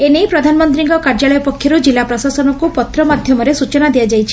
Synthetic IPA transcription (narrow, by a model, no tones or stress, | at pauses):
enejpɾɔd̪ʱanɔmɔnt̪ɾiŋkɔkaɾd͡ʒaɭɔjɔpɔkʰːjɔɾud͡ʒilːapɾɔsasɔnɔkupɔt̪ɾɔmad̪ʱjɔmɔɾesut͡ʃɔnad̪ijad͡ʒajt͡ʃʰi̥